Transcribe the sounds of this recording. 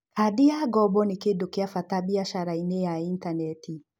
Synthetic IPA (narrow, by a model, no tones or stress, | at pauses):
kadijaɡɔbɔnekedokeafatabiaʃaɾainejaintanɛtʰi